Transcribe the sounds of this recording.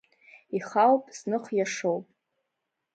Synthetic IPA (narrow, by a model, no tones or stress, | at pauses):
iχawpʼsnɨχʷjaʂowpʼ